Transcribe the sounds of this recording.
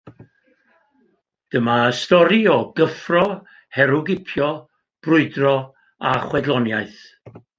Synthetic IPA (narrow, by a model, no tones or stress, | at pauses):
d̥əmaəstɔɾiɔɡəfrɔ | hɛɾʊɡɪpʰjɔ | b̥rʊɨdrɔ | aχwɛdlˠɔnjaɨθ